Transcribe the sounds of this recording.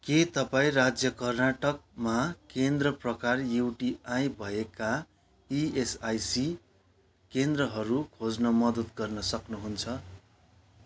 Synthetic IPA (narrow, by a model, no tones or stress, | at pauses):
ket̪ʌpaĩrad͡zjʌkʌrnaʈʌk̚makend̪rʌprʌkarjuwʈiãjbʱʌeka | iesajsi | kend̪rʌɦʌɾukʰod͡znʌmʌd̪ʌt̪ɡʌrnʌsʌknuɦunt͡sʰʌ